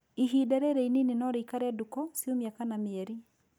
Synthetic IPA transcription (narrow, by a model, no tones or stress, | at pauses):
iɦidɛɾɛɾɛininenɔɾeikaɾɛdukɔsiomiakanameɛɾi